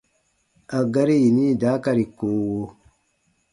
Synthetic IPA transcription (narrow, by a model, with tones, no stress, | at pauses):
a˨ɡa˦ɾi˦ji˨ni˦˨da˨˦ka˦ɾi˨koː˨˦